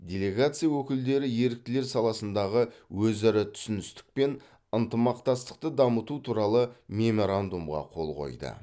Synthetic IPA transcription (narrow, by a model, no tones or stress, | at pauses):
dʲe̞lʲe̞ɡat̪sɨjawɵkʲɪld̪e̞ɾɪje̞ɾɪk̚t̪ɪle̞ɾsɑlˠɑsənd̪ɑʁəwɵzæɾɪt̪ʰʏ̥sɪnɪst̪ɪ̥k̚pe̞n | ənt̪əmɑqt̪ɑst̪ə̥q̚t̪əd̪ɑmət̪ut̪ʰuɾɑlˠəmʲe̞mo̞ɾand̪umʁɑ̰qʰo̞̰lˠʁo̰jd̪ə̰